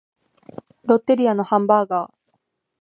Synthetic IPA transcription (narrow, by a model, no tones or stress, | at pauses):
ɾo̞t̪ːeɾʲiano̞hãmbaːɡaː